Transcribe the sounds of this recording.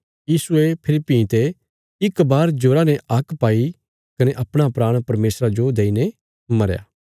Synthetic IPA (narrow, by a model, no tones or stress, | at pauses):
jiːsuepʰɪɾipːĩːt̪e | ɪkbaːɾd͡ʒoːɾaneʔɐkpaːi | kɐneʔɐpɽ̃apɾaːɽ̃pɐɾmeːsɾad͡ʒod̪eːine | mɐɾja̰ː